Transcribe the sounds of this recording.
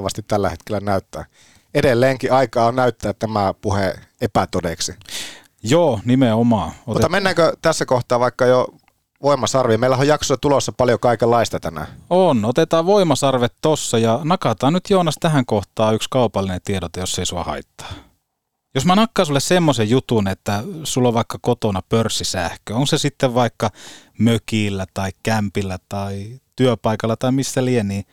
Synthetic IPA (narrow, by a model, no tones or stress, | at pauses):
ʋɑst̪it̪t̪ælːæ̰het̪kelːænæyt̪ːæ̰ː | edelːeːŋkiɑikɑːnæyt̪ːæːtt̪æmæpuheepæt̪odeksi | joːnimeomɑːotmuet̪ːɑmenːæːkøt̪æsːækoht̪ɑːʋɑikːɑjo | ʋoimɑsɑrʋimeilːæhojɑksosɑt̪ulosːɑpɑljokɑikelːɑist̪ɑt̪æmæ̰onot̪et̪ɑːʋʋoimɑsɑrʋet̪tosːɑjɑnɑkɑt̪ɑːnnyt̪joːnɑst̪æhæŋkoht̪ɑːykskɑupɑlːinent̪iedot̪ɑjosːeisuɑ̰hɑ̰it̪ːɑ̥ː | josmænɑkːɑːsulːessemːosejjut̪unet̪ːæsulːoʋʋɑikːɑkot̪onɑpørsːisæ̰hkøoŋksesit̪ːeʋʋɑikːɑ | møkiːlːæt̪ɑikkæmpilːæt̪ɑit̪yøpɑikɑlːɑt̪ɑimisːælieniː